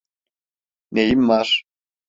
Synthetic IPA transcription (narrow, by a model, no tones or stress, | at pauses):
nejimːar